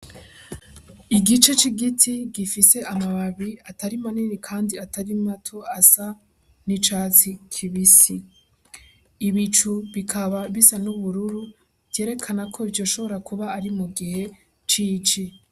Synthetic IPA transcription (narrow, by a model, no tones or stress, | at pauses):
iɡit͡ʃe̞t͡ʃiɡitʰiɡifise̞ʔamaβaβiatʰaɾimaninikʰaːndiatʰaɾimatʰo̞asa | nit͡ʃaːt͡sikʰiβisi | βit͡ʃuβikʰaβaβisanuβuɾuɾu | te̞ːɾe̞kʰanakʰo̞ivjo̞ʃo̞βo̞ɾakuβaːɾimuɡihe̞ | t͡ʃiːt͡ʃi